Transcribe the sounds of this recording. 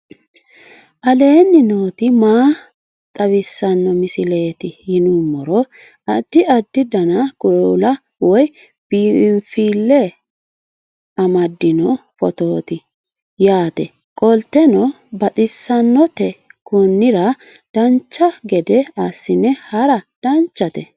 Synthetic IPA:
ʔɐle̞ːnːɪnoːt̪ɪmaː | t̪ʼɐwɪsːɐnːɔmɪsɪle̞ːt̪ɪhɪnumːɔɾɔ | ɐd̪̥ːɪɐd̪ːɪd̪ɐnɐkʼʊlɐ | wɔj | b̥iːɪmfiːlːɛ | ɐmɐd̪ːɪnɔfɔt̪oːt̪ɪ | jaːt̪ɛ | kʼɔlt̪ːɛnɔ | bɐt̪ʼɪsːɐnːɔt̪ɛkʰʊnːɪɾɐ | d̪̥ɐnt͡ʃːɐɡɛd̪ɛɐsːɪnɛhɐɾɐd̪̥ɐnt͡ʃːɐt̪ɛ̰

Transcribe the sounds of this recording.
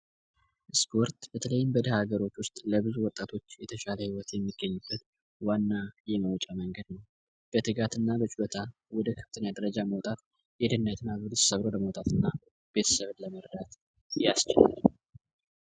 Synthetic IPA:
ʔɨspʰo̞ɾt̪b̥ət̪ʰələjːɪmbəd̪əhaɡəɾo̞t͡ʃːwʊst̪ʼləβɨzuwɔt̪ʼːat̪ʰo̞t͡ʃːjɛt̪ʰəʃaləhiwɔt̪jɛmːiɡːəɲːubːət̪ | wanːajɛməwɔt͡ʃʼaməŋɡəd̪nəw | b̥ət̪ʰɨɡat̪ɨnːabət͡ʃʼulot̪ʰa | wɔd̪əkʰə̥ft̪ʰɨnjad̪əɾəd͡ʒaməwt̪ʼat̪ | jɛd̪ɨnːət̪ʰɨnːabɨlɨtʼsəβɾoləməwt̪ʼat̪ɨnːa | b̥e̞t̪ʰə̥səβnləməɾd̪at̪ | jast͡ʃɪla̰l

